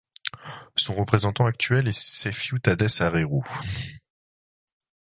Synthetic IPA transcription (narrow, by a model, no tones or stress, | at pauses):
sɔ̃ʁəpχezɑ̃t̪ɑ̃ak̚t̪ɥɛlesɛfjut̪ad̪ɛsaʁeʁu